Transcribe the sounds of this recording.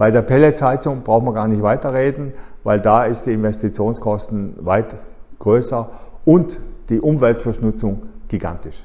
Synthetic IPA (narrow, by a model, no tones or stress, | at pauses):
b̥aɪdeːɐpʰɛlet͡saɪt͡sʊŋb̥ʁaʊxn̩mviɐɡaːɐnɪçtv̥aɪtɐʁeːdn̩vaɪldaːɪstd̥iːɪnvɛstit͡sjoːnskʰɔstn̩vaɪtɡ̥ʁøːsɐʔʊntd̥iːʔʊmvɛltfɐʃnʊt͡sʊŋɡ̥iɡa̰ntɪʃ